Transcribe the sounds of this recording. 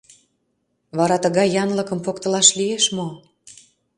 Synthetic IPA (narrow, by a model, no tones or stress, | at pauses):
βɑɾɑt̪əɣɑjːɑnləkə̆mpokt̪əlɑʃlieʃmo